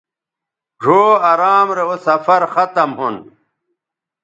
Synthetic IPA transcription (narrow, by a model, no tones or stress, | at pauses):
ʐʱoːɐɾaːmɾeosɐfɐɾxɐt̪ɐmhun